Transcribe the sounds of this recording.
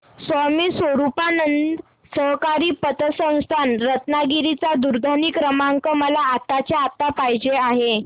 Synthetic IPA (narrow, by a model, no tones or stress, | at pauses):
səmiːsʋəɾupanənd̪ | səɦkaɾiːpət̪əsə̃w̃st̪ʰanɾət̪naɡiɾit͡sad̪uɾd̪ʱaniːkɾəmaŋkəməlaːt̪at͡ɕaat̪apajd͡ʑeaɦe